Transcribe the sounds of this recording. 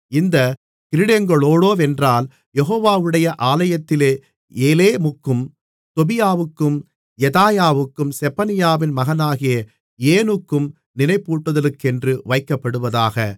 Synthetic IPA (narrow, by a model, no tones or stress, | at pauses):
ɪnd̪ɐ | kɪɾɪɽeŋɡɐɭoːɽoːʋɛndraːl | jɛɦoːʋaːʋɯɽɐjɐʔaːlɐjɐt̪ːɪleː | eːleːmʊkːɯm | t̪ɔbɪjaːʋɯkːɯm | jɛðaːjaːʋɯkːɯmsɛpɐnɪjaːʋɪnmɐɣɐnaːɣɪjɐ | eːnɯkːɯm | nɪnɐɪpːuːʈːɯðɐlɯkːɛndrɯʋɐɪkːɐpːɐɽɯʋɐðaːɣɐ